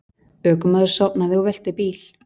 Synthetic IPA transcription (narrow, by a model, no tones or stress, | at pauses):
œːkʏmaːðʏɾ̥sawpnaðɪɔvɛl̥t̪ɪpiːl̥